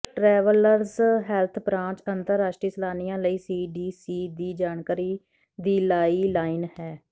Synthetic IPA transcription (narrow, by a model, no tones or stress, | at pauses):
ʈɾɛːʋələɾzɦɛːlt̪ʰpɾãːt͡ʃənt̪əɾːaːsʃʈɾiːsəlaːnijãːləiːsiːɖiːsiːd̪iːd͡ʒaːɳkaːɾiː | d̪iːlaːiːlaːɪnhɛː